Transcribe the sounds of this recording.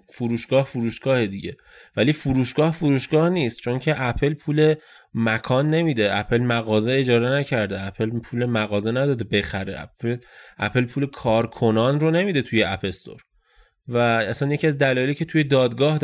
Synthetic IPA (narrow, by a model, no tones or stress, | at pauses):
fuɾuːʃɡ̥ɒːhfuɾuːʃɡ̥ɒːhed̪iɟe̞ | væliːfuɾuːʃɡ̥ɒːhfuɾuːʃɡ̥ɒːhniːst̪̚t͡ʃʰo̞ncʰe̞ʔæpʰe̞lpʰuːle̞ | mækʰɒːnːe̞miːd̪e̞æpʰe̞lmæɣɒːzeed͡ʒɒːɾenæcʰæɾd̪eæpʰe̞lpʰuːlemæɣɒːzenæd̪ɒːd̪ebe̞xæɾḛʔæ̰elʔæ̰pʰe̞lpʰuːlekʰɒːɾkʰo̞nɒːnronemiːd̪et̪ʰuje̞ʔæpʰe̞st̪o̰ɾ | vææsænjecʰiæzd̪ælɒːje̞liːcʰe̞t̪ʰuje̞d̪ɒːd̪ɡɒːh̪